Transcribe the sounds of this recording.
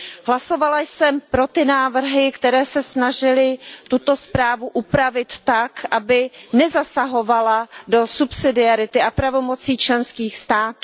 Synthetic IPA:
ɦlaso̞valajsɛmpɾo̞t̪ɪnaːvr̩ɦɪkt̪ɛɾɛːsɛsnaʒɪlɪt̪ut̪o̞spɾaːvuʔupɾavɪt̪ːakʔabɪnɛzasaɦo̞valado̞supsɪdɪaɾɪt̪ɪʔapɾavo̞mo̞t͡siːt͡ʃlɛnskiːxst̪aːt̪u

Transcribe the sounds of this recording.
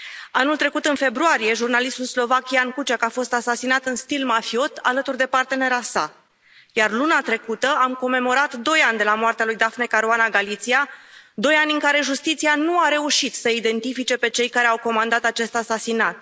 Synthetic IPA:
anult̪ɾe̞kut̪ɨnfe̞bɾuaɾije̞ʒurnalist̪ulslo̞vakʲiankut͡ʃakafo̞st̪asasinat̪ɨnst̪ilmafio̞t̪ʰa̰lət̪urd̪e̞part̪e̞ne̞ɾasa̰ | jarlunat̪ɾe̞kut̪əamko̞mːe̞mo̞ɾat̪d̪o̞janʲd̪e̞lamoart̪ealujd̪afnekaɾoanaɡalit̪siad̪o̞janʲɨŋkaɾe̞ʒust̪it̪sianuaɾe̞uʃit̪səid̪e̞nt̪ifit͡ʃe̞pe̞t͡ʃe̞jkaɾe̞awko̞mand̪at̪at͡ʃe̞st̪asasinat̪̚

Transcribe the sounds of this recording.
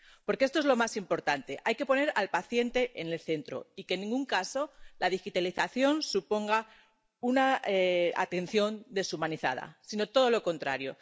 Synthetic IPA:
po̞ɾkee̞st̪oe̞zlo̞masimpo̞ɾt̪ant̪e̞ʔajke̞po̞ne̞ɾalpaθje̞nt̪e̞ʔene̞lθe̞nt̪ɾo̞̰ike̞nːĩŋɡuŋkaso̞laðixit̪aliθaθjo̞nsupo̞ŋɡa | unaea̰t̪e̞n̟θjo̞nd̪e̞sumãniθa̰ð̞a̰sino̞t̪o̞ð̞o̞lo̞ko̞nt̪ɾaɾjo̞̰

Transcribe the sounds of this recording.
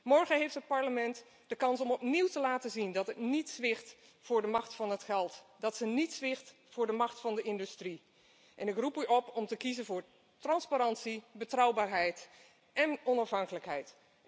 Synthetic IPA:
mɔɹχəɦejftɦət̚pɑɹləmɛnt | d̥əkɑnsɔmɔpniwtəlaːtəzindɑtɦətnitsʋɪχt | fʊːɹdəmɑχtfɑnɦətχɛlˠtdɑtsənitsʋɪχt | fʊːɹdəmɑχtfɑndəɪndystri | ʔɛnɪkrupyʔɔpɔmtəkizənvʊːɹ | trɑnspaɾɑntsibətrʌwbaːɹɦɛjt | ʔɛnɔnɑfɦɑŋkələkɦɛjt

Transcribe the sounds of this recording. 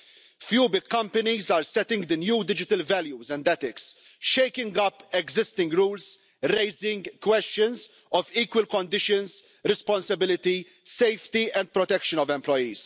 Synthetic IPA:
fjuːbɪkːɐ̃mpɐnizaːɾsɛt̪ɪ̃ŋɡd̪ənjuːd̪ɪd͡ʒɪt̪əlvɛljuzɛ̃nd̪ɛt̪ɪks | ʃejkɪ̃ŋɡɐpːɛɡzɪst̪ɪ̃ŋɡɾuːls | ɾeɪzɪ̃ŋɡkwɛstə̃nz | ɔviːkwɪlkɔ̃nd̪ɪʃə̃ns | ɾɪspɔ̃nsɐbɪlɪt̪i | sejft̪iʔɛ̃nd̪̚pɾɔt̪ɛkʃənɔvɛ̃mplɔjiːz

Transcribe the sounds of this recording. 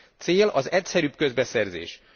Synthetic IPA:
t̪seːlɒzɛcsɛɾyːb̚kø̞zbɛsɛrzḛːʃ

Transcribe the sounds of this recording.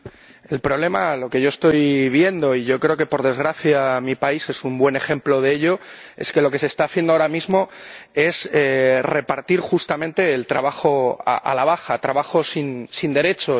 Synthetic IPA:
e̞lpɾo̞β̞le̞malo̞ke̞ʝo̞e̞st̪o̞jβje̞nd̪o̞iʝo̞kɾe̞o̞ke̞po̞ɾð̞e̞zɣɾaθjamipaise̞sumbwe̞ne̞xẽ̞mplo̞ð̞eeʎo̞e̞̰ske̞lo̞ke̞se̞ːst̪aːθje̞nd̪ooɾamizmo̞e̞sere̞paɾt̪iɾxust̪amẽnt̪e̞ːlt̪ɾaβ̞axo̞a̰ʔa̰laβ̞axat̪ɾaβaxo̞sinsind̪e̞ɾe̞t͡ʃo̞

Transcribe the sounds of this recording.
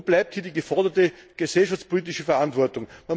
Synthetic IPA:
b̥laɪp̚thiːɐdiːɡəfɔɐdɐtəɡ̥əsɛlʃaft͡spoliːt̬ɪʃəfɛɐantv̥ɔɐtʊŋman

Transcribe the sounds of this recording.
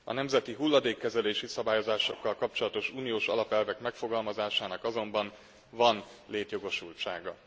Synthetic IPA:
ɒ̰nɛmzɛt̪iɦulːɒd̪eːkːɛzɛleːʃisɒbaːjo̞zaːʃo̞kːɒlkɒp̚t͡ʃo̞lɒt̪o̞ʃuːnijoːʃɒ̰lɒpɛlvɛkmɛkfo̞ɡɒlmɒzaːʃaːnɒkɒzo̞mbɒn | vɒn | leːt̪jo̞ɡo̞ʃult͡ʃa̰ːɡɒ

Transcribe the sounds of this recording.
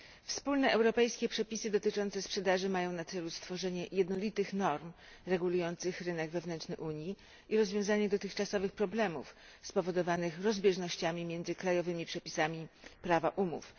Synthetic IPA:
fspulnɛʔɛwɾɔpɛjskʲɛpʂɛpʲisɘd̪ɔt̪ɘt͡ʂɔnt̪sɛspʂɛd̪aʐɘmajɔ̃w̃nat̪sɛlust̪fɔʐɛɲɛjɛd̪nɔlʲit̪ɘxnɔɾm | ɾɛɡulujɔnt̪sɘxɾɘnɛɡvɛvnɛnt͡ʂnɘʔuɲji | ʔiɾɔzvʲjɔ̃w̃zaɲɛd̪ɔt̪ɘxt͡ʂasɔvɘxpɾɔblɛmṵf | spɔvɔd̪ɔvanɘxɾɔzbʲjɛʐnɔɕt͡ɕamʲimʲjɛnd̪zɘkɾajɔvɘmʲipʂɛpʲi̥samʲipɾavaʔumṵf

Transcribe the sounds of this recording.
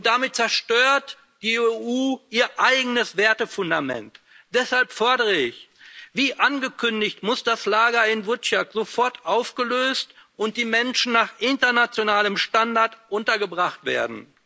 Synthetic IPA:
ʊnt̚d̥amɪt̚t͡sɛɐʃtøːɐt | d̥iːeuːʔiːɐʔaɪɡənəsv̥eːɐtəfʊndamɛ̰nt | d̥ɛshalpfɔɐdəʁəɪçv̥iːʔanɡəkʰʏndɪçtmʊsd̥aslaːɡɐɪnvɪɐtʃatz̥ofɔɐtʔaʊfɡ̥əløːstʔʊnt̚d̥iːmɛnʃn̩naːχʔɪntɐnat͡sjonaːləmʃtandaɐtʔʊntɐɡəbʁaχtv̥ḛːɐdn̩

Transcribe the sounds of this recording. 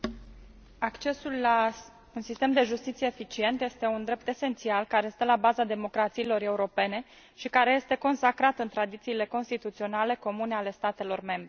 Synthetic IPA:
akt͡ʃe̞sulːa | unsist̪e̞md̪e̞ʒust̪it̪sijeːfit͡ʃie̞nt̪je̞st̪e̞und̪ɾe̞p̚t̪e̞se̞nt̪sialkaɾe̞st̪əlabazad̪e̞mo̞kɾat̪silo̞ɾe̞uɾo̞pe̞ne̞ | ʃikaɾe̞je̞st̪e̞ko̞nsakɾat̪ɨnt̪ɾad̪it̪siːle̞ko̞nst̪it̪ut̪sio̞nale̞ko̞mune̞ale̞st̪at̪e̞lo̞rme̞mbɾ

